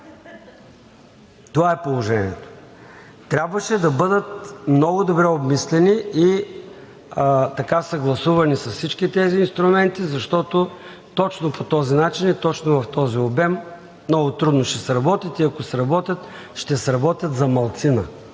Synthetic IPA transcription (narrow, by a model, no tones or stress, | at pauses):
t̪ovaɛpolˠoʒɛnḭɛt̪o̥ | t̪ɾʲabvəʃɛd̪ɐbɤd̪ət̪̚mnɔɡʊd̪obɾɛobmislɛnii | t̪ɐkasɐɡlˠɐsuvɐnisɐssit͡ʃkit̪ɛziːnst̪ɾʊmɛnt̪izɐʃt̪ɔt̪o | t̪ɔt͡ʃnopʰot̪ɔzinat͡ʃinit̪ɔt͡ʃnovɐft̪ɔziobɛm | mnɔɡʊt̪ɾud̪noʃt̪ɛsɾɐbɔt̪ʲit̪iɐkosɾɐbɔt̪ʲjət̪ | ʃt̪ɛsɾɐbɔt̪ʲjət̪zɐmɐlˠt̪sinə